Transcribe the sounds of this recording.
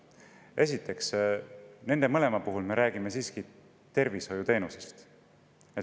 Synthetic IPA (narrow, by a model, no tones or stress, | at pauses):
e̞s̬ʲit̪ːˑe̞ks | ne̞nd̪emɤle̞mɑpuɦulme̞ɾæːɡ̥ime̞siːski | t̪e̞rviso̞jut̪e̞ːnuse̥st̪ | e